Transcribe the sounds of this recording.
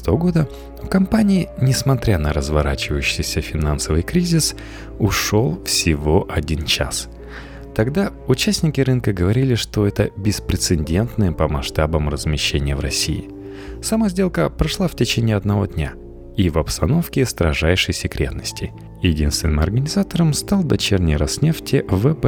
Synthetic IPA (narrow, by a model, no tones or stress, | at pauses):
t̪əvəɡo̞d̪ə | fkɐmpanʲɪɪnʲɪsmɐt̪ɾʲanəɾəzvɐɾat͡ɕɪvəjʉɕːɪjsʲəfʲɪnansəvɨjkɾʲizʲɪs | ʊʂo̞lˠfsʲɪvo̞ʔɐdʲint͡ɕa̰s | t̪ɐɡd̪a | ʊt͡ɕæsʲnʲɪkʲɪɾɨnkəɡəvɐɾʲilʲɪʂt̪o̞ɛt̪əbʲɪspɾʲɪt̪sɨnʲdʲe̞nt̪nɨjəpəmɐʂt̪abəmrəzmʲɪɕːenʲɪjəvɾɐsʲḭɪ̰ | sɐmazʲdʲe̞lˠkəpɾɐʂlˠaftʲɪt͡ɕenʲɪːɐd̪nɐvo̞d̪ʲnʲa | ivɐpst̪ɐno̞fkʲɪst̪ɾɐʐajʂəjsʲɪkɾʲʔe̞̰t̪nəsʲtʲɪ | jɪdʲinst̪vʲɪnɨmɐrɡənʲɪzat̪əɾəmst̪alˠd̪ɐt͡ɕernʲɪjɾɐsnʲe̞ftʲɪvɛb